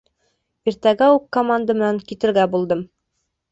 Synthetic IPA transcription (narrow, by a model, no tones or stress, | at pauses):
iɾt̪æɡæukːomand̪əmɘ̆næŋkit̪ɘ̆ɾɡæbulˠd̪ɤm